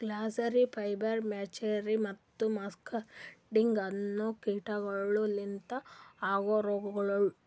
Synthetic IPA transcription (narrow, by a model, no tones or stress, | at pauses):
ɡlaːsɐɾipʰɐjbɐɾmeːt͡ʃeɾimɐt̪ːumɐskɐɖiŋɡɐnːuːkiːʈɐɡɐɭulint̪ɐaːɡoɾɔɡɐɡɐɭɐɭu